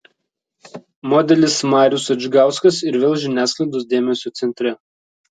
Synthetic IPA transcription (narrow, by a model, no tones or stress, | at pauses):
mɔːd̪ʲɛlʲɪsmɑːɾʲʊsɐd͡ʒʲɪɡɑˑʊskɐsɪɾʋʲɛlˠʒʲɪnʲæːsklˠɐɪd̪oːs̬d̪ʲeːmʲɛsʲoːt̪sʲɛnʲt̪ʲɾʲɛ